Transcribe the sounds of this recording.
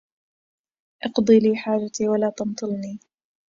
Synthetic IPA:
ʔɑqd̪ˤiːliːħaːd͡ʒat̪iːwalaːt̪ɑmt̪ˤɨlniː

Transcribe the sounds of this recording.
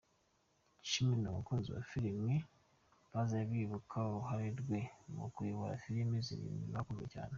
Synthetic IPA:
ʃimiɾinomṵkuːnziwa̰fiɾimi | βazaβiːβukʰaoɾuɦaɾiɾɡwemṵkuiβoɾa̰fiɾimizḭɾḭmiβakuḛca̰ːne

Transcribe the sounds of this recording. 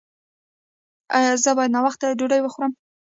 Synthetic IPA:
ɑjɑzəbɑjad̪nɑwaxt̪ad͡ʒoɖajwəxuɾəm

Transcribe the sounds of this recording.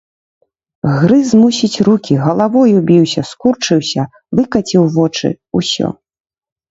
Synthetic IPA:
ɣɾɨzmusʲit͡sʲrukʲiɣɐlˠavɔjubʲiwsʲɐskurt͡ʂɨwsʲɐ | vɨkɐt͡sʲiwvɔt͡ʂɨ̰ | usʲɔ̰

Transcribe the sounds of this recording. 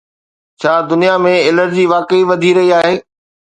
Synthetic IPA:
t͡ɕʰaːd̪ʊnijamẽɪləɾd͡ʑiʋaːkəiʋɐd̪ʱiɾɐɦiaːɦeː

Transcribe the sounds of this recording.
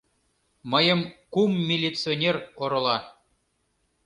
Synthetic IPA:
məjɤ̆mkumːʲilʲit͡sɨonʲeroɾɤ̆lˠɑ

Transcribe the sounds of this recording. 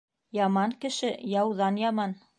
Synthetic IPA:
jɑmɑŋkɘ̆ʃɘjɑwðɑnjɑmɑn

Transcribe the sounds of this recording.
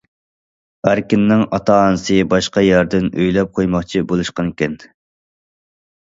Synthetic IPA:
æɾkʲɪnːɪŋɑt̪ʰɑnɨsɨbɑʃqɑjɑɾd̪ɪnøjlɛp̚qʰojmɑχt͡ʃʰibolˠuʃqɑnkʲɛn

